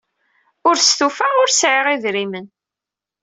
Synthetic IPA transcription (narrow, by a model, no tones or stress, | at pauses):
ʊɾst̪ufaʁʊɾsʕɪʁiðɾimən